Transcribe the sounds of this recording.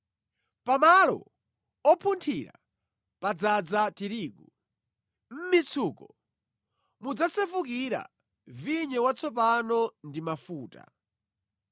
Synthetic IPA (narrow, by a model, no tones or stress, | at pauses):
pamalɔ̰ | ɔpʰuntʰiɾa̰ | pad͡zad͡zatiɾiːku | m̩mit͡sʰuːkɔ | mud͡zasɛfukiɾa̰ | viɲɛwat͡sʰɔp̬anɔndimafuːta̰